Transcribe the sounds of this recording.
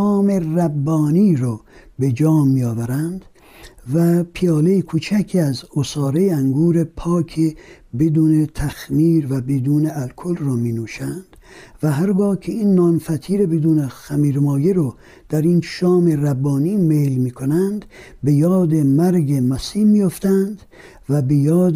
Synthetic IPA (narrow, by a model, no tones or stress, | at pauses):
ɑːmeræbːɒːniːɾɔːbe̞d͡ʒɒːmːijɒːvæɾænd̪̥ | væpʰijɒːlejekʰuːt͡ʃʰækʰiæzosɑːɾejeæŋɡuːɾepʰɒːkʰe | bed̪uːnet̪ʰæxmiːɾvæbed̪uːneælkʰolrɔːmiːnuːʃænd̪̥væɦæɾɡɒːkʰeinːɒːnfæt̪ʰiːɾebed̪uːnexæmiːɾmɒːjeɾɔ | d̪̥æɾinʃɒːmeræbːɒːniːmeːlmiːkʰonænd̪ | be̞jɒːd̪emæɾɡemæsiːmiːjoft̪ænd̪ | væbejɒːd̪